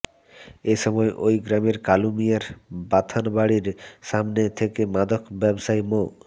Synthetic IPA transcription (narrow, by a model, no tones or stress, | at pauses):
eʃɔmɔeʔojɡɾameɾkalumijaɾbat̪ʰanbaɽiɾʃamnet̪ʰekemad̪okbɛbʃaemo